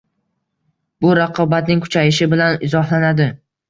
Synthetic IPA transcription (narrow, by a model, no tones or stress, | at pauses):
bʊɾaqʰɒbat̪̚nɪŋkʰʊ̥t͡ʃʰajɪʃɪbɪlanɪzɒhlanad̪ɪ